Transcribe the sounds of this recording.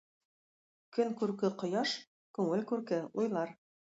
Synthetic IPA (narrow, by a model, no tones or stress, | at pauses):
kɵnkʉɾkɘqŏjɑʃ | kʉŋɘlkʉɾkɘujlˠɑɾ